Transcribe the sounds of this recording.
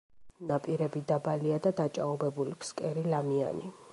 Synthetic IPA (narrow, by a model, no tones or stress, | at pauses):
napʼiɾɛbid̪abaliad̪ad̪at͡ʃʼaɔbɛbulipʰskʼɛɾilamia̰ni